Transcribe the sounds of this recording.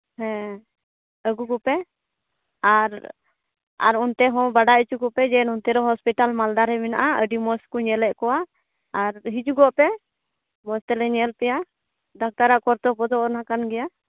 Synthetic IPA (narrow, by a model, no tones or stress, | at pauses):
hɛ̃ | əɡukupɛ | aɾ | a̰ɾunt̪ɛɦɔ̃baɖait͡ʃukɔpɛd͡ʒɛnunt̪ɛɾɔɦɔspiʈalmald̪aɾɛmɛnaʔaəɖimɔskuɲɛlɛʔ̚kɔwaː | ɾɦit͡ʃuɡɔʔpɛ | mɔst̪ɛlɛɲɛlpɛja | d̪ʱak̚t̪aɾaʔkɔɾt̪ɔpɔd̪ɔʔɔɾnakanɡɛja